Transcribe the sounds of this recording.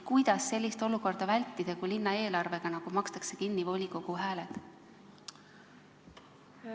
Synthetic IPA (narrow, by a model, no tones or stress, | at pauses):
kujd̪̥ɑsːe̞lʲːist̪o̞luko̞rd̪̥ɑvælʲt̪ːid̪̥ɑkulinːɑe̞ːlɑrve̞ɡ̥ɑnɑɡ̥umɑkst̪ɑkse̞kinːivo̞lʲiko̞ɡ̥uɦæːle̞t̪